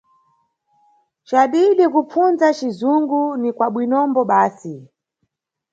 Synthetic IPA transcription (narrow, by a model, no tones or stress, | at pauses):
t͡ʃaɗiɗikup͡funzat͡ʃizuŋɡunikwaɓwinɔmbɔɓaːsi